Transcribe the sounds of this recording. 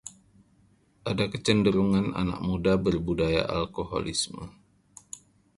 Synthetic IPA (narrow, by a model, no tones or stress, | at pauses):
ʔadakət͡ʃəndəɾuŋana̰na̰k̚mudabərbudaja̰ʔa̰lkoɦo̰lḭsmə̰